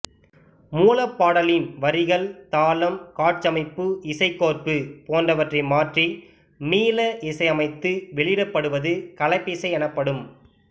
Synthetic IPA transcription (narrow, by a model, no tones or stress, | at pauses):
muːlɐpːaːɽɐlɪnʋɐɾɪɣɐɭt̪aːlɐmkaːʈ̚t͡ʃːɐmɐɪpːɯʔɪsɐɪkːoːrpɯpoːndrɐʋɐʈrɐɪmaːʈri | miːlɐʔɪsɐɪɐmɐɪt̪ːɯʋɛɭɪɽɐpːɐɽɯʋɐðɯkɐlɐɪpːɪsɐɪɛnɐpːɐɽɯm